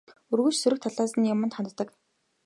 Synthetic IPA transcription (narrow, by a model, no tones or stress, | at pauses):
ɵrɣuːt͡ɕsɵɾɵ̆k̚t̪ʰaɮaːsə̆njʊmə̆nt̪χant̪ə̆t̪ːə̆k